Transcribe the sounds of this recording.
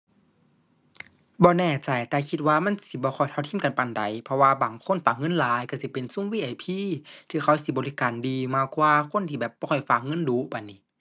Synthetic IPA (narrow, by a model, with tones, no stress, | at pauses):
bɔː˧˦nɛː˧˩t͡ɕa˨˩jt̪ɛː˧kʰi˧t̪̚waː˧ma˧˥˨nsi˧˦bɔː˧˦xʰɔ˧˨˩jt̪ʰa˧˨wt̪ʰːmka˨npa˨˧˩nda˨jpʰɔ˧waː˧baː˨˩ŋkʰo˧˥˨nfaː˨˩k̚ŋɤ˧˨nlaː˨˦jka˧˩si˧˦pe˨nsu˧˥˨wiː˧˥ʔa˨˧˩jpʰiː˧˨t̪ʰiː˧xʰa˧˩wsi˧˦bɔː˨li˧kaː˨ndiː˨maː˧˩kwaː˧kʰo˧˥˨nt̪ʰiː˧bɛː˨˩p̚bɔː˧ɔ˧˩jfaː˧˨˩k̚ŋɤ˧˥˨nduː˨˦pa˨ni˧˨˦